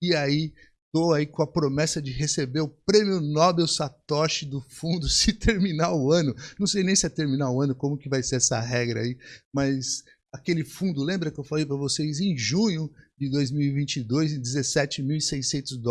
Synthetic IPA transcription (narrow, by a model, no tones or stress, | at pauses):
ɪai | t̪oaikõɐpɾomɛsɐd͡ʒɪɦesebeɾʊpɾẽmiʊnɔbewsat̪ɔʃɪd̪ʊfũnd̪ʊsɪt̪ʰeɾminaʊɐ̃nʊnɐ̃w̃sejnẽj̃sɪɛt̪eɾmĩnaʊɐ̃nʊkõmʊkɪvajseɾɛsɐ̰ɦɛɡɾɐa̰imɐs | akelɪfũnd̪ʊlẽmbɾɐkɪewfalejpɾɐvosejzẽj̃ʒũɲʊd͡ʒɪd̪ojzmiwivĩt͡ʃɪd̪ojzẽd͡ʒɪzesɛt͡ʃɪmiwisejsẽnt̪ʊzd̪ɔ